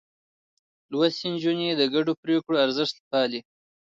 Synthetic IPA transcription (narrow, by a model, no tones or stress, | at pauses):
lwasind͡ʒuned̪əɡaɖopɾekɽoaɾzɪʃt̪pɑːli